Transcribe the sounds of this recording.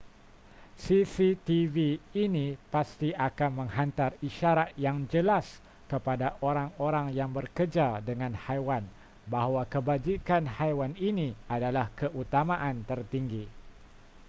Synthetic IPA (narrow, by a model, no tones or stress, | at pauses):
sisit̪iviːnĩpast̪iʔakanmə̃ŋhant̪ariʃaɾat̪̚jaŋd͡ʒəlas | kəpadaʔoɾaŋoɾaŋjaŋbərkərd͡ʒadəŋãnhajwan | baɦwakəbad͡ʒikanhajwaninĩadalahkəʔut̪amãʔant̪ərt̪iŋɡi